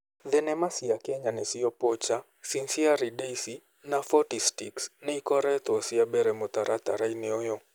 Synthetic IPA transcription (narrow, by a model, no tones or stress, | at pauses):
ðɛnɛmasiakɛɲanɛsiɔpɔt͡ʃa | sinsiaɾideisi | nafɔtistiksnɛikɔɾɛt̪ɔsiabɛɾɛmot̪aɾʔat̪a̰ɾainɛɔjɔ